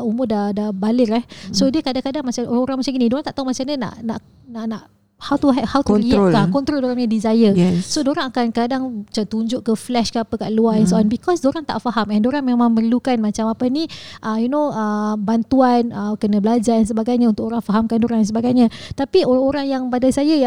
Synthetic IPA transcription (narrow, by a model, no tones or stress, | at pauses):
umʊdadabalɪɾɛhsodiəkadaŋkadaŋmat͡ʃaoɾaŋoɾaŋmat͡ʃamɡinĩdoɾaŋt̪aʔt̪amat͡ʃamɲəna̰ʔna̰ʔ | naʔnaʔ | hawt̪uɦɛhawtliəokakɔnt̪ɾoldoɾaŋɲadizajəɛsodoɾaŋakankadaŋat͡ʃat̪uɲd͡ʒʊʔkəflɛʃkəapəkaʔluaɛnsoanbikɔsdoɾaŋt̪a̰ʔfaɦamɛ̃ndoɾaŋmemãŋmərlukanmat͡ʃamapəniʔəjunoəbant̪uanəkənəbəlad͡ʒaɾɛnsəbaɡajɲaunt̪ʊkoɾaŋfaɦamkandoɾaŋɛns̬əbaɡajɲət̪apioɾaoɾaŋjaŋpadasajaja